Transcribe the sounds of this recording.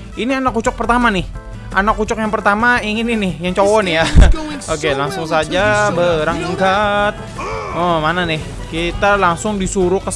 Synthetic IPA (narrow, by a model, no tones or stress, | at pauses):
inianakːut͡ʃɔk̚pərt̪amanɪh | ʔanakːut͡ʃɔkjaŋpərt̪amaiŋɪninɪhjaŋt͡ʃowɔnɪjaokelaŋsʊŋs̬ad͡ʒabəɾaŋiŋkat̪̚əmananɪh | kit̪alaŋsʊŋdisuɾʊkə